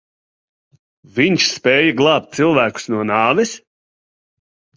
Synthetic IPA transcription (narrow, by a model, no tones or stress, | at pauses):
viɲʃspɛːjaɡlˠɑːp̚t̪t̪silˠvæːku̥snuɔnɑːvɛs